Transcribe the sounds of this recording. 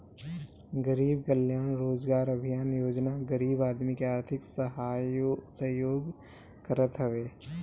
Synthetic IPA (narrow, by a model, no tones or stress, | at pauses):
ɡəɾiːb̚kəljaːnɾoːd͡ʒɡaːɾɐbʱijaːnjoːd͡ʒnaɡəɾiːbaːd̪mikeaːɾt̪ʰɪksəɦaːsɐɦjoːɡ | kəɾət̪ɦɐʋeː